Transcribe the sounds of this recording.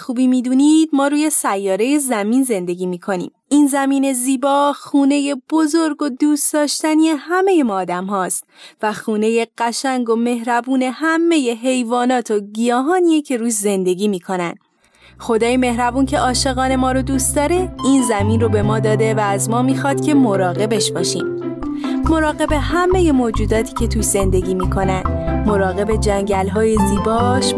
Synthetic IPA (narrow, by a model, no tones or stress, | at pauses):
xuːbiːmiːd̪uːnid̪̥̚mɒːɾuːje̞sæjːɒːɾe̞je̞zæmiːnze̞nd̪e̞ɡʲiːmiːkʰo̞nḭːm | iːnzæmiːne̞ziːbɒːxuːne̞je̞b̥o̞zo̞ɾɡod̪uːst̪d̪̥ɒːʃt̪æniehæme̞je̞mɒːd̪æmhɒːst̪væxuːne̞je̞ɢ̥æʃæŋɡome̞ɦɾæbuːne̞hæmːe̞je̞ɦe̞jvɒːnɒːt̪ʰoɡijɒːɦɒːniecʰe̞ɾuːʃze̞nd̪e̞ɡʲiːmiːkʰo̞nænd̪ | xo̞d̪ɒːjeme̞hɾæbuːncʰe̞ʔɒːʃe̞ɣɒːne̞mɒːɾod̪uːst̪d̪ɒːɾe̞iːnzæmiːnrobe̞mɒːd̪ɒːd̪e̞væːzmɒːmiːxɒːd̪̥cʲʰe̞moɾɒːɣe̞be̞ʃbɒːʃiːm | mo̞ɾɒːɣe̞be̞ɦæme̞je̞moːd͡ʒuːd̪ɒːt̪ʰi̥ːcʰe̞t̪ʰuʃze̞nd̪e̞ɡiːmiːkʰo̞nænd̪mo̞ɾɒːɣe̞be̞d͡ʒæŋɟælɦɒːjeziːbɒːʃ